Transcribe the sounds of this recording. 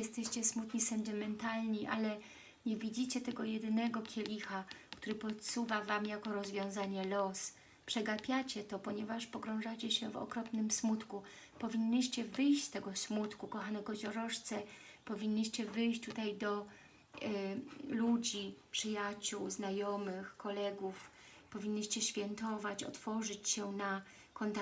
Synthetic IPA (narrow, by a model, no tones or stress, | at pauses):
jɛst̪ɛɕt͡ɕɛsmut̪ɲisɛnt̪ɘmɛnt̪alɲiʔalɛ | ɲɛvʲid͡ʑit͡ɕɛt̪ɛɡɔjɛd̪ɘnɛɡɔkʲjɛlʲixakt̪uɾɘpɔt̪suvavamjakɔɾɔzvʲjɔ̃w̃zaɲɛlɔs | pʂɛɡapʲjat͡ɕɛt̪ɔpɔɲɛvaʂpɔɡɾɔ̃w̃ʐat͡ɕɛɕɛvɔ̰kɾɔpnɘmsmut̪ku | pɔvʲiɲːiɕt͡ɕɛvɘjɕt͡ɕst̪ɛɡɔsmut̪kukɔxanɛɡɔd͡ʑɔɾɔʂt̪sɛpɔvʲiɲʲːiɕt͡ɕɛvɘjɕt͡ɕt̪ut̪ajd̪ɔ | lud͡ʑipʂɘjat͡ɕuwznajɔmɘxkɔlɛɡuf | pɔvʲiɲʲːiɕt͡ɕɛɕfʲjɛnt̪ɔvat͡ɕɔ̰t̪fɔʐɘt͡ɕɕɛna | kɔnt̪a